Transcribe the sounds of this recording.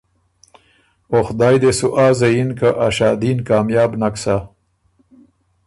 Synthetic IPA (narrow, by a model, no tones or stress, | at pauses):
oxd̪ɑːjd̪esuʔaːzɐjinkaʔaʃaːd̪iːnkɑːmjɑːbnaksa